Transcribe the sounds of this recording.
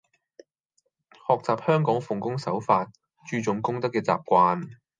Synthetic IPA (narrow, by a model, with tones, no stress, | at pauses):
hɔː˨k̚t͡saː˨p̚hœː˥ŋkɔː˨˥ŋfʊ˨ŋkʊ˥ŋsɐ˨˥wfaː˧t̚ | t͡ʃyː˧t͡sʊ˨ŋkʊ˥ŋt̪ɐ˥kːɛː˧t͡sa̰ː˨p̚kʷaː˧n